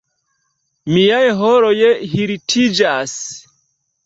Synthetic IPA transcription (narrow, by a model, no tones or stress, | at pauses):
mijajɦɔɾɔjɛɦiɾitʰid͡ʒas